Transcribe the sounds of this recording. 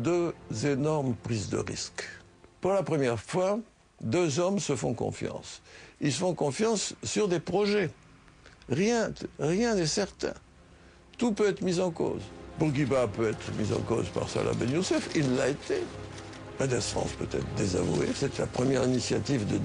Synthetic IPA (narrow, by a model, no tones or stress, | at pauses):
d̪øzenɔʁmpχizd̪ə̰ʁḭsk | puʁlapχəmjɛʁfwa | d̪øzɔmsəfɔ̃kɔ̰̃fjɑ̰̃silsəfɔ̃kɔ̃fjɑ̃sːyʁd̪epχɔʒɛ | ʁjɛ̃ʁjɛ̃nɛsɛʁt̪ɛ̰̃ | t̪upøɛt̪χəmizɑ̃ko̰zbuʁɡibapøɛt̪χəmizɑ̰̃ko̰zpa̰ʁsa̰lʔa̰bɛ̰njusɛfilːaet̪e | mad̪ɛsχɑ̰̃spøt̪ɛ̰t̪χd̪eza̰vṵḛsɛt̪ɛla̰pχəmjɛʁinisjat̪ivd̪ə